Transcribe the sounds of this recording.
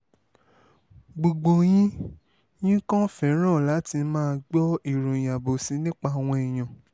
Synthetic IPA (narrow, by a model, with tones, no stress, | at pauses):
ɡ͡bo˨ɡ͡bo˨j̃ĩ˦ | j̃ĩ˦kɔ̃˦fɛ˨˦ɾ̃ã˦˨la˨˦ti˧mãː˦˧ɡ͡bɔ˦i˨ɾo˨j̃ã˨bo˨sĩ˨˦nĩ˦k͡pa˧˦˨a˨w̃ɔ̃˧ɛ˨j̃ã˨